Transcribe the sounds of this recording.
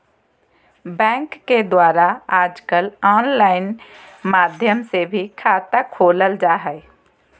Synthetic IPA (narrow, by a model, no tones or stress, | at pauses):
bɛ̃ːŋkːed̪waːɾaaːd͡ʒkəlɔːnlaːɪnmaːd̪ʱjəmsebʱikʰaːt̪akʰoːləld͡ʒaːɦɛ